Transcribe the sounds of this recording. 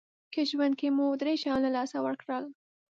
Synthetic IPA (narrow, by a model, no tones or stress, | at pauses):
kəʒwand̪̚kemud̪ɾeʃɑnlalɑsawəɾkɽəl